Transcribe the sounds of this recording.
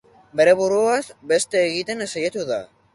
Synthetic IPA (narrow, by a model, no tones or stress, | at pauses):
be̞ɾe̞βuɾuasbe̞st̪e̞ːɣit̪e̞nesajet̪uða̰